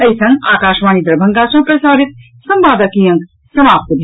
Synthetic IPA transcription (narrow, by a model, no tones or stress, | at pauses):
ɐjsɐ̃ŋaːkaːʃʋaːnid̪ɾɐbʱɐŋɡaːsɐ̃ːpɾɐsaːɾit̪̚ | sɐmbaːd̪ɐkĩjɐŋk | sɐmaːp̚t̪ɐbʱ